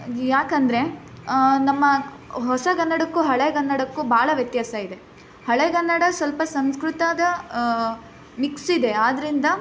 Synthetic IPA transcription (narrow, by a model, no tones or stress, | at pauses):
jaːkɐnd̪ɐɾe̞ | nɐmːɐ | ɦɔsɐɡɐnːɐɽɐkːuɦɐɭeɡɐnːɐɽɐkːubaːɭɐʋjɐt̪jaːsɐid̪e̞ | hɐɭeɡɐnːɐɽɐsʋɐlpɐsɐnskɾut̪aːd̪ɐ | miksuid̪e̞aːd̪ɐɾind̪ɐ